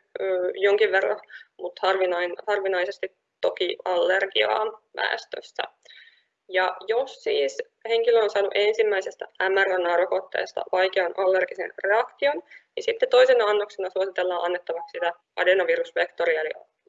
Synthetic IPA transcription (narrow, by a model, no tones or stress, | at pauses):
øːjoŋkiʋʋerːɑ̰mut̪hɑrʋinɑnhɑrʋinɑjse̞st̪it̪ | tːo̞kiɑlːerɡiɑ̰ːʋæ̰ːst̪ø̰sːæ̰ | jɑjo̞sːiːs | he̞ŋkiløonsɑːnuʔe̞nsimːæisest̪ææmæɾonɑɾokot̪ːḛːst̪ɑ̰ʋɑjkeɑnʔɑlːerɡ̥isḛnre̞ɑkt̪io̞nnisit̪ːet̪o̞isenɑɑnːoksenɑsuosit̪elːɑːʔɑnːet̪ːɑʋɑkssit̪æ | ɑ̰denɑʋiɾusʋekt̪oɾiɑlḭ